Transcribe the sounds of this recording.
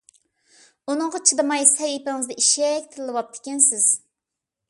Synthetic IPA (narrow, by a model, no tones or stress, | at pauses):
unɨŋʁɑt͡ʃʰɨd̪ɨmɑjsɛjipɪŋɨzd̪ɛʔiʃɛkʲt̪ʰɪɾlːˠɨwɑp̚t̪ʰɪ̥kʲɛnsɪz̥